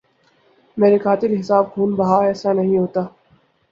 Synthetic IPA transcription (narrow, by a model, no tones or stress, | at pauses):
meːɾekaːt̪ɪɾɦɪsaːb̚ɡʱuːnbɐɦaɛːsanɐɦĩɦoːt̪aː